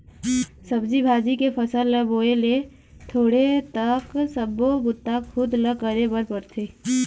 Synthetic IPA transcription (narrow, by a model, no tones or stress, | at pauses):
səbd͡ʒibʱaːd͡ʒikepʰəsəlːəboːele | t̪ʰoːɽet̪əksəbːobʊt̪ːakxʰʊd̪ləkəɾebəɾpəɾt̪ʰeː